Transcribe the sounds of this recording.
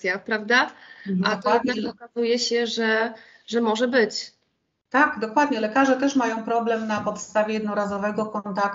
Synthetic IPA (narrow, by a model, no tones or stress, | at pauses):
japɾavd̪aat̪ɔjɛd̪nakɔkazujɛɕɛʐɛ | ʐɛmɔʐɛbɘt͡ɕ | t̪aɡd̪ɔkwad̪ɲɛlɛkaʐɛt̪ɛʂmajɔ̃w̃pɾɔblɛmnapɔt̪st̪avʲjɛjɛd̪nɔɾazɔvɛɡɔkɔnt̪ak